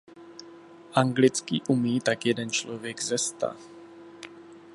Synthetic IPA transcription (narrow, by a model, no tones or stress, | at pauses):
ʔaŋɡlɪt͡skḭːʔumiːt̪akjɛdɛnt͡ʃlovjɛɡzɛst̪a̰